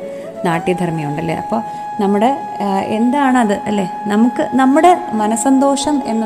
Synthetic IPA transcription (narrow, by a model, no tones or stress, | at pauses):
naːʈːid̪ʱɐrmɐjuɳɖɐlːḛʔɐ̰pːo̞ː | nɐmːuɽe̞ | end̪aːɳɨɐðɨʔɐlːe̞ːnɐmukːɨnɐmːuɽe̞mɐnɐsɐnd̪o̞ːʂɐmenːɐ